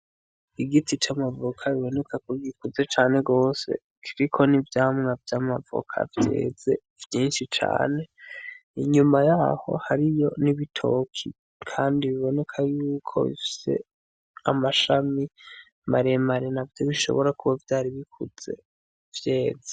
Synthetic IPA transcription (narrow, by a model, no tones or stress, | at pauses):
iɡitʰit͡ʃamavokʰaβiβo̞ne̞kʰakuɾiɡikuze̞t͡ʃaːne̞ɡo̞ːse̞̰ | kʰiɾikʰo̞nivjaːmŋavjamavo̰kʰa̰vjḛːze̞ | vjiːnʃit͡ʃa̰ːne̞iɲumajaho̞̰haɾijo̞niβitʰo̞kʰi | kʰaːndiβiβo̞ne̞kʰajuːkʰo̞̰βḭfi̥se̞̰ | a̰maʃami | maɾemaɾenavjo̞βiʃo̞̰βo̞ɾakuβavjaːɾiβikʰuz̥e̞̰ | vje̞ːz̥e̥